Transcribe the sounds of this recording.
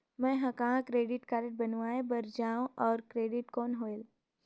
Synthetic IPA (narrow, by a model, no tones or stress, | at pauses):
mɛ̃ɦɐ̃kɐɦãkɾeːɖɪʈkaːɾəʈ̚bɐnũaːebɐɾd͡ʒaːũʔɔːɾkɾeːɖɪʈkɔːnɦoːel